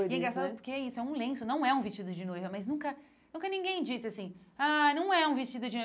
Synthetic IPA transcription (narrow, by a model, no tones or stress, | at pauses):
ɡẽɡast̪ad̪ʊpoɾkeɛisʊɛũlẽsʊnɐ̃w̃ɛũvist͡ʃid̪ʊd͡ʒɪnojvɐmaznũkɐ | nũkɐnĩŋɡẽj̃d͡ʒisɪasĩanɐ̃w̃ɛũvist͡ʃid̪ʊd͡ʒɪno